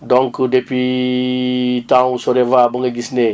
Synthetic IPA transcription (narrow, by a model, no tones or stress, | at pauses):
dɔŋkudepi | tãsɔɾevabəŋɡɐɡisne